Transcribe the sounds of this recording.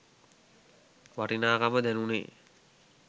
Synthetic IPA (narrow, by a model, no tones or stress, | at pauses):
ʋaɾinaːkaməd̪ɛnunḛː